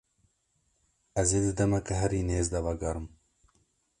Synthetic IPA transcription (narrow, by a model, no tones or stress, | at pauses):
ɐzeːd̪ɨd̪ɐmɛkɐɦɛɾiːneːzd̪ɐvɐɡɐɾɨm